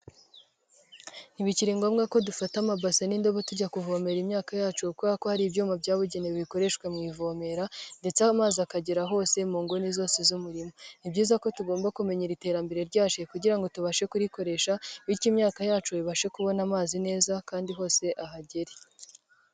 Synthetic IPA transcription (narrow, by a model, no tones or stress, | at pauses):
niβiciɾiŋɡoːmɡako̞dufatamabaseniːndo̞βotuɾɟakuvo̞ːme̞ɾimɲaːkajaːt͡ʃukuako̞haɾibɟuːmabjaːβuɟeneββiko̞ɾe̞ʃkwemŋiːvo̞me̞ɾande̞t͡samaːziakaɟeɾaɦo̞ːse̞muːŋɡonizo̞ːsezumuɾimo̞nibɟiːzako̞tuɡo̞ːmbakume̞ɲeɾite̞ːɾambe̞ɾeɾɟaːʃekuɟiɾaŋɡo̞tuβaʃe̞kuɾiko̞ɾe̞ʃaβiɾcimɲaːkajaːt͡ʃuiβaʃe̞kuβo̞namaːzine̞ːzakaːndiɦo̞ːse̞ʔaɦaɟeɾe